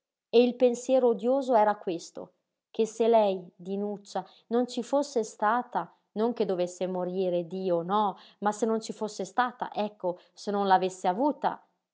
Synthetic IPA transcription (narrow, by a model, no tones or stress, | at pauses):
eilpensjɛːɾoːd̪joːzoɛːɾakwest̪o̰ | k̟eselɛjd̪inut͡ʃːa | nont͡ʃifosːest̪aːt̪a | noŋk̟ed̪ovesːemoɾiːɾed̪iːonɔmasenːont͡ʃifosːest̪aːt̪a̰ʔɛkːo | senːonlavesːeavuːt̪a̰